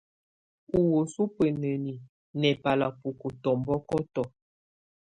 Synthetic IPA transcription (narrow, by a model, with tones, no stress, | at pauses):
u˨wo˨su˦pə˨nə˨ni˨ | nɛ˨pa˨la˨pu˨ko˨tɔ˨mbɔ˦kɔ˦tɔ˨